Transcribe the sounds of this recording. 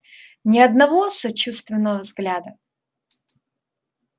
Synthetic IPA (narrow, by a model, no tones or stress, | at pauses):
nʲɪɐd̪nɐvosɐt͡ɕust̪vʲɪnːəvəvzɡlʲad̪ə